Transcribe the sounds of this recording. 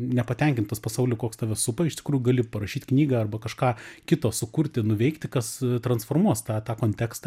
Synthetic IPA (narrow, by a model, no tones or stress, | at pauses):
nʲɛpɐt̪ʲɛŋʲkʲɪnt̪t̪ɐspɐsɐʊlʲʊkoːkst̪ɑːʋʲɛsʊpɐɪʃt̪ʲɪ̥kɾuːjʊɡɐlʲɪpɐɾɐʃʲiːt̪ʲknʲiːɡɐːɐrbɐkɐʃkɑːkʲɪt̪oːsʊkʊɾʲt̪ʲɪnʊʋʲɛɪkt̪ʲɪkɐst̪ɾɐnsfoːrmuɔst̪ɑːt̪ɑːkoːnʲt̪ʲɛːkst̪ɑ